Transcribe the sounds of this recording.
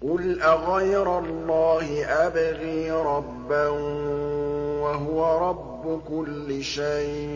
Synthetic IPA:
qʊlʔaɣajɾˤalˤːɑːhɪʔabɪɣiːɾˤɑbːa | waɦʊwaɾˤɑbːʊkʊlːɪʃajʔ

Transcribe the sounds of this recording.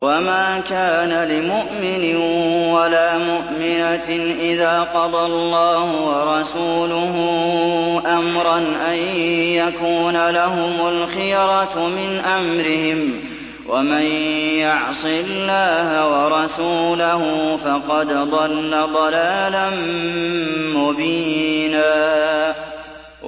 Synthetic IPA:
wamaːkaːnalɪmʊʔmɪnɪwalaːmʊʔmɪnaʔɪðaːqɑd̪ˤɑlˤːɑːhʊwɑɾˤɑsuːlʊɦʊ | ʔamɾˤɑnʔajjakuːnalaɦʊmʊlxɪjɾˤɑmɪnʔamɾɪhɪm | wʔamanjʊʕsˤɪlːaːhawɑɾˤɑsuːlaɦʊfɑqɑd̪d̪ˤɑlːad̪ˤɑlaːlan | mʊbiːnaː

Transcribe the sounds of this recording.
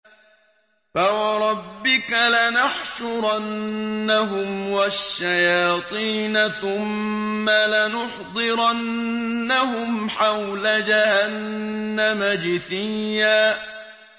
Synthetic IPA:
fawɑɾˤɑbːɪkalanaħʃʊɾˤɑnːaɦʊmwaʃːajɑːt̪ˤiːnaθʊmːalanʊħd̪ˤɨɾanːaɦʊmħawlad͡ʒahanːamad͡ʒɪθɪjːaː

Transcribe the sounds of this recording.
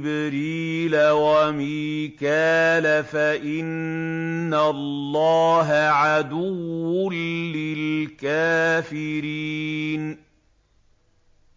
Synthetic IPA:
bɾiːlawamiːkaːlafaʔɪnː | alːɑːɦaʕad̪ʊwːʊnːɪlkaːfɪɾiːn

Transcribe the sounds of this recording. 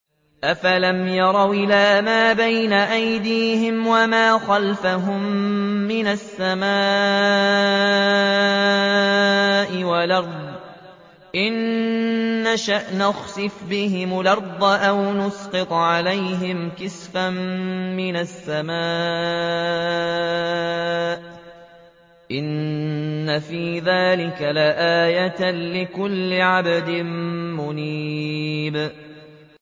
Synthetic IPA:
ʔafalamjɑɾˤɑwʔɪlaːmaːbajnaʔajd̪iːhɪmwamaːxalfaɦʊmːɪnasːamaː | ʔɪwalɑɾˤd̪ˤ | ʔɪnː | aʃaʔnaxsɨfbɪhɪmlɑɾd̪ˤʔawnʊsqɨt̪ˤʕalajɦɪmkɪsfammɪnasːamaː | ʔ | ʔɪnː | afiːðaːlɪkalaʔaːjat̪lɪkʊlːɪʕabad̪ɪmmʊniːb

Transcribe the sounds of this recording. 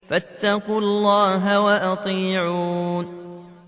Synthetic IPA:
fat̪ːɑqʊlːɑːɦawaʔɑt̪ˤiːʕuːn

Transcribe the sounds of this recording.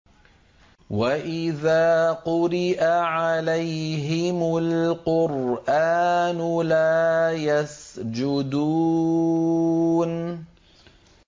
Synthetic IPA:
waʔɪðaːqʊɾɪʔaʕalajɦɪmʊlqʊɾʔaːnʊlaːjasd͡ʒʊd̪uː | n

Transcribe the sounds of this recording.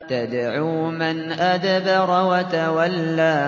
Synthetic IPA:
t̪ad̪ʕuːmanʔad̪abaɾˤwat̪awalːaː

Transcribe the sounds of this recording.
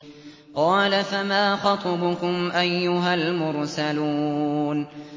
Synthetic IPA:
qɑːlafamaːxɑt̪ˤɑbʊkʊmʔajːʊɦalmʊɾsaluːn

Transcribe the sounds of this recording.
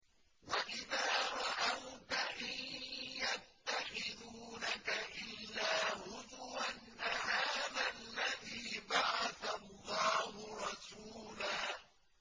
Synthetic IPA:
waʔɪðaːɾˤɑʔawt̪aʔanjat̪ːaxɪðuːnakaʔɪlːaːhʊðʊanːahaːðalːaðiːbaʕɑθalːɑːhʊɾˤɑsuːlaː

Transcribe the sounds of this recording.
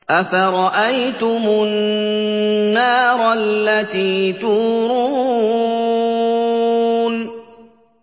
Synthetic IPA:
ʔafaɾˤɑʔajt̪ʊmʊnː | ɑːɾˤlːat̪iːt̪uːɾuː | n

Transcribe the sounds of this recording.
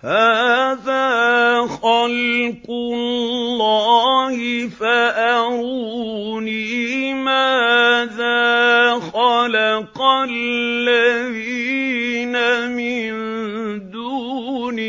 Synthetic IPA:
haːðaːxɑlqʊllːɑːhɪfaʔaɾuːnimaːðaːxalɑqalːaði | namɪnd̪uːni

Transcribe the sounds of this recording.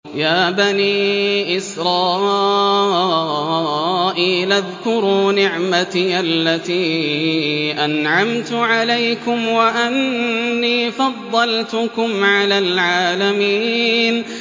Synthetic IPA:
jaːbaniːʔɪsɾˤɑː | ʔiːlʔaðkʊɾuːnɪʕmat̪iʔalːat̪iː | ʔanʕamt̪ʊʕalajkʊmwaʔanːiːfɑd̪ˤːɑlt̪ʊkʊmʕalaːlʕaːlamiːn

